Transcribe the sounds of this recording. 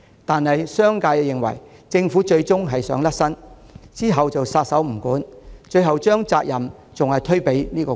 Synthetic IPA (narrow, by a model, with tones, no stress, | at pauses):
t̪aː˨nɦɐ˨jsœː˥ŋkaː˧jjɪ˨ŋwɐ̰˨˩jt͡sɪ˧ŋfuː˨˥t͡ʃɵ˧ɥt͡sʊ˥ŋɦɐ˨jsœː˨˥ŋlɐ˥t̚sɐ˥nt͡siː˥ɦɐ˨wt͡sɐ˨wsaː˧t̚sɐ˨˥wm̩˨˩kuː˨˥nt͡ʃɵ˧ɥɦɐ˨wt͡ʃœː˥ŋt͡saː˧k̚jɐ˨˩m | t͡sʊ˨ŋhɐ˨jt̪ʰɵ˥ɥpe˨˥jniː˥kɔː˧